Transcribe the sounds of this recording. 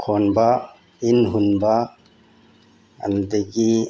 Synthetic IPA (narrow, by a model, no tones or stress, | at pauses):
kʰonba | inɦunba | a̰nd̪eɡi